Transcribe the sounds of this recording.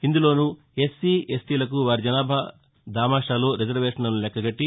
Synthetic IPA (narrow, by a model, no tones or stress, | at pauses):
ind̪ulo̞ːnu | esiːesʈiːlɐk̬uʋaːɾid͡ʒɐnaːbʱɐ | d̪aːmaːʂaːlo̞ːɾid͡ʒɐɾʋeːʂɐnɐnulɛkːɐɡɐʈːi